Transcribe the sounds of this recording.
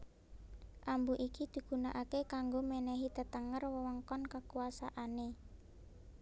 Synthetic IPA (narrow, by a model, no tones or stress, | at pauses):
ʔambuʔikid̪̥i̤ɡ̥ṳnaʔakekaŋɡomenɛɦit̪ət̪əŋərwəwəŋkɔnkəkuasa̰ʔane